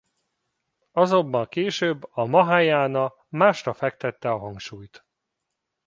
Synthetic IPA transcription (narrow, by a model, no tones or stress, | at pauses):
ɒzo̞bːɒlkeːʃøːbːɒmɒɦaːjaːnɒ | maːʃrɒfɛk̚t̪ɛt̪ːɛɒɦɒŋkʃuːjt̪